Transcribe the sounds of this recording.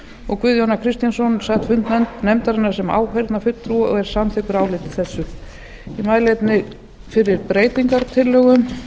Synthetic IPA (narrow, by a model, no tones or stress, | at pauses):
ɔɣkʰvʏðjownakʰɾɪst̪jansɔnsaɣt̪fʏnt̪nɛnt̪nɛmt̪aɾɪnːaɾ̥sɛma̰ːwhɛjɾt̪nafʏt̪ːɾuɔ̰ɣɛɾ̥samθɪkʏɾaːwlɪt̪ɪ̥θɛsːʏ | imaːjlɛt̪nɪ | fɪɾɪɾpɾeːjt̪iŋkaɾt̪ʰɪlːœːɣʏm